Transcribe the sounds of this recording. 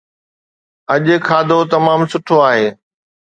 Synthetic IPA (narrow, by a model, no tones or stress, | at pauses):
ɐʄkʰaːd̪ʱot̪ɐmaːmsʊʈʰoaːɦeː